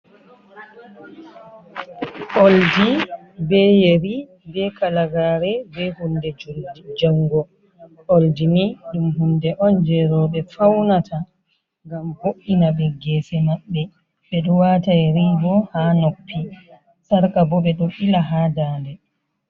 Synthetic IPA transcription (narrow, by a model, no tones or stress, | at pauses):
ʔoldi | bɛjeɾi | bɛkalaɡaːɾɛbɛhundɛd͡ʒd͡ʒaŋɡɔ | oldiniɗumɦundɛʔɔnd͡ʒɛɾɔɓɛfawnatʰa | ŋɡamboʔːinaɓɛɡɛːsɛmaɓːɛ | ɓɛɗɔwatajɾiːɡɔhaːnopːi | saɾkabɔɓɛɗɔʔilaɦaːdaːndɛ